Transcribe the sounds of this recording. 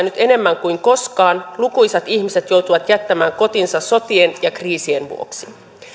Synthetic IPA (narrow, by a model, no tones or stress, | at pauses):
nyt̪e̞ne̞mːæŋkuiŋko̞skɑːnlukujsɑt̪içmise̞t̪jowt̪uʋɑt̪jæt̪ːæmæːŋko̞t̪insɑso̞t̪ienjɑkriːsie̞nʋṵo̰ksi